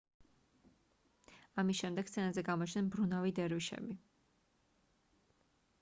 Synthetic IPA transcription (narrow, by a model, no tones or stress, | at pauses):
amisʃɛmd̪ɛɡ̥st̪ʰɛnazɛɡamɔt͡ʃʰnɛnbɾunavid̪ɛɾviʃɛ̰bi